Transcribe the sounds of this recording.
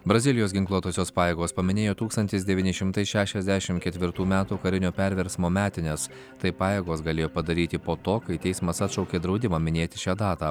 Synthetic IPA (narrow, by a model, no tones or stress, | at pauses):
bɾɐzʲɪlʲɪjoːsɡʲɪŋklˠuɔt̪oːsʲoːspɑːjeːɡoːspɐmʲɪnʲeːjoːt̪uːkst̪ɐnʲt̪ʲɪsd̪ʲɛʋʲiːnʲɪʃʲɪmt̪ɐɪsʃʲæːʃʲɛzʲd̪ʲæʃʲɪmkʲɛt̪ʲʋʲɪɾt̪uːmʲæːt̪uːkɐɾʲɪnʲoːpʲɛɾʲʋʲɛɾʲsmoːmʲæːt̪ʲɪnʲes | t̪ɐɪpɑːjeːɡoːsɡɐlʲeːjoːpɐd̪ɐɾʲiːt̪ʲɪpoːt̪oːkɐɪt̪ʲɛɪsmɐsɑt̪ʃɒʊkʲeːd̪ɾɒʊd̪ʲɪmɑːmʲɪnʲeːt̪ʲɪ̥ʃʲæːd̪ɑːt̪ɑː